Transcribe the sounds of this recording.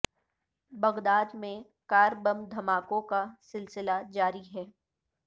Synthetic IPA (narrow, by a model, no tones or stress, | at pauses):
bɐɣd̪aːd̪mẽ | kaːɾbɐ̃md̪ʱɐmaːkõkasɪlsɪlad͡ʒaːɾiɦɛː